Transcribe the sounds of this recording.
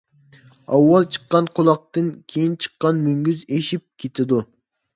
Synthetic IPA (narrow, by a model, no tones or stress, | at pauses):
ɑwːɑlˠt͡ʃʰə̥qːɑnqʰolˠɑq̚t̪ɨnkʲʰejint͡ʃʰɨ̥qːɑnmyŋɡʲyzeʃip̚kʲʰet̪ʰɪd̪u